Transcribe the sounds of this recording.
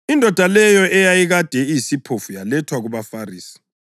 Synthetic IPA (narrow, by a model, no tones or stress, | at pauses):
indʱɔd̥ʱalɛjɔʔɛjajiɣad̥ʱɛijisipʰofujalɛtʰwaɣuβafariːsi̥